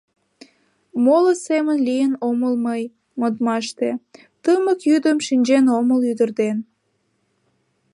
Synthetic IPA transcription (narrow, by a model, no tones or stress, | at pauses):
moləsemənlijənoməlməj | mod̪mɑʃt̪e | t̪əməkjyd̪əmʃinʲd͡ʑenoməlyd̪ərd̪en